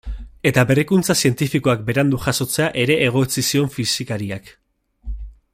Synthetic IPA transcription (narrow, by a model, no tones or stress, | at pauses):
e̞t̪aβe̞rikunt͡sasie̞nt̪ifiko̞ak̚be̞ɾand̪uʝaso̞t͡se̞aʔe̞ɾe̞ʔːɣ̞o̞t͡sisio̞ɱfisikaɾiak